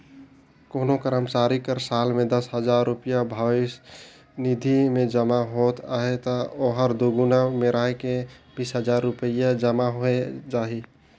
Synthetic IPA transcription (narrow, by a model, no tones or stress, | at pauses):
koːnokəɾəmt͡ʃaɾikəɾsalmẽd̪əsɦəd͡ʒaɾːupijabʱawis | nid̪ʱimẽd͡ʒəmaɦot̪a̰ɦet̪ɔoɦəɾd̪oɡunameɾaɦekebisɦəd͡ʒaɾːʊpəjad͡ʒəmaɦoed͡ʒaɦi